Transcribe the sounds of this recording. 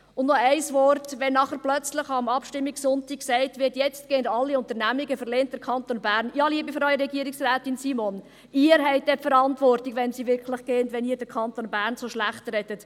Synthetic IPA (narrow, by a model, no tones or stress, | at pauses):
ʊndnɔɛɪsʋɔrtʋɛnːɑχəɾplœt͡slɪχɑmɑpʃtɪmːiksʊntiːksɛɪtʋɪtjɛt͡st̚ɡ̥eːəndɑlːiʊntəɾnæmiɡəfəɾlɛnt̚d̥əɾkʰɑntonbæːɾnjɑːliəbifɔɾœʏəɾɛɡiːəɾiksræːtinsiːmon | ɪːəɾɦɛɪt̚dɛfəɾɑntʋɔrtiɡʋɛnsiʋɪɾkʰlɪχɡ̥eːəntʋɛniːɾdəɾkʰɑntoːnbæːɾnsoʃlæχtɾɛdət